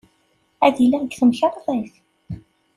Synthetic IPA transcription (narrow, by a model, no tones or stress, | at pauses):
æðilːæɡθəmçəɾˤðˤæθ